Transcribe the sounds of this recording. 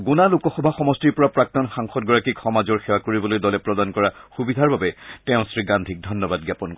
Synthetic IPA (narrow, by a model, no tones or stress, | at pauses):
ɡunalukɔxɔbʱaxɔmɔstiɹpɔɹapɹak̚tɔnxaŋxɔtɡɔɹakikxɔmazɔɹxɛwakoɹibɔlojdɔlɛpɹɔdankɔɹaxubidʱaɹbabɛtɛʊ̃sɹiɡandʱik̚dʱɔnːɔbad̚ɡjapɔnkɔ